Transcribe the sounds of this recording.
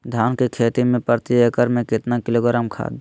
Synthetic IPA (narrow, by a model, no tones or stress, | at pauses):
d̪ʱaːnkekʰeːt̪imẽpəɾt̪iekəɾmẽkɪt̪nakɪloːɡɾaːmkʰa̰ːd̪